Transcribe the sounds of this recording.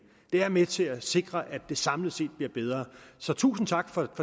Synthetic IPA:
d̥eæɐmet͡sʰe̝æse̝ɡ̥ʁɐʔæd̥e̝sɑ̈mləse̝̰ːd̥b̥liɐb̥eð̞ˠʁɐːsɒ̽t͡sʰṵːsn̩t͡sʰɑ̈ɡ̥fɒ̽fɒ̽

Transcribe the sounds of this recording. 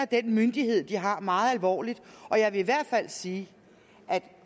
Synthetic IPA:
ɐd̥enmynd̥iɦhe̝ð̞̰ˠd̥iɦɑ̈mɑ̈ːð̞̩ˠælʋɒ̰ːlid̥ɒ̽jɑ̈ɪʋe̝iʋæɐ̰d̥fæl̰siː | ʔæd̥

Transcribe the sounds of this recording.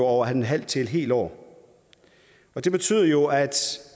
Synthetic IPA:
oɒʊ̰ɐɦænnɦæl̰t͡sʰe̝ed̥ɦe̝̰ːld̥ɒ̰ː | ɒ̽d̥e̝b̥e̝t͡sʰy̰ːðˠɐjo̝æd̥

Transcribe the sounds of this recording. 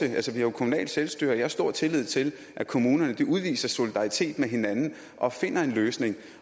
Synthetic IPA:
əʔælsəʋihɑjo̝kʰo̝munɛ̰ːld̥selsd̥y̰ːɐjɑhæɐsd̥o̝ɐ̰t͡sʰe̝lið̞̰ˠt͡sʰe̝l | ʔækʰo̝muːnɐnəd̥iʔuðˠʋḭːsɐso̝lid̥ɑ̈ʁit͡sʰe̝̰ːd̥meɦe̝nænn̩ | ʔɒ̽fe̝n̰ɐe̝nløːsne̝ŋ

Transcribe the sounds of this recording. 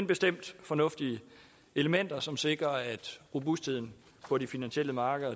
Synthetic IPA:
nb̥e̝sd̥em̰d̥fɒ̽nɔ̽fd̥iə | e̝ləmen̰d̥ɐsɒ̽mse̝ɡ̥ʁɐæd̥ʁo̝busd̥ʰeð̰ˠn̩ | pʰɒ̽ɾifinænɕiel̰əmɑ̈ːɡ̥əðˠɐ

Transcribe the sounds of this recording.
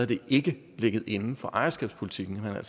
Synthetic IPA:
æɐd̥e̝ʔe̝ɡ̥ə | le̝ɡ̥əð̩ˠe̝nn̩fɒ̽ʔɑ̈ɪɐsɡ̥ɛ̰ːb̥spʰolit͡sʰiɡ̥n̩menæ̰l̰s

